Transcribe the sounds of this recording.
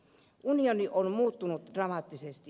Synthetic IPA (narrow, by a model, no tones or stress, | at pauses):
ʔunijonionmuːt̪ːunut̪d̥rɑmɑt̪ːisest̪i